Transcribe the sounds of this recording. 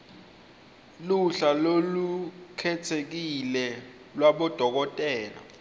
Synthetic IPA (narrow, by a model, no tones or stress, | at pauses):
luɬalolukʰɛtʰek̬ilɛ | lwaɓɔd̥ʱɔk̬ɔtʼɛːla̰